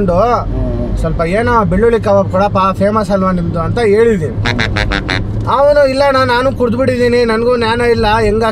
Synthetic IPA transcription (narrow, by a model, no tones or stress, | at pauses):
ɳɖu | sɐlpɐeːnɐbeɭːuɭikɐʋɐpɔɽɐpːapʰeːmɐsɐlʋɐnd̪ind̪uɐnt̪ɐeːɭid̪ini | aːʋɐnuilːɐnanaːnukuɾd̪biɽid̪iːninɐnɐɡunaːnɐilːɐɛŋɡaː